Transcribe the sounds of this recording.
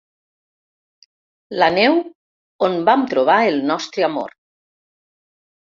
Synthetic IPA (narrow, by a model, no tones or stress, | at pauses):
lanɛw | onbamt̪ɾoβ̞aelnɔst̪ɾeamo̰ɾ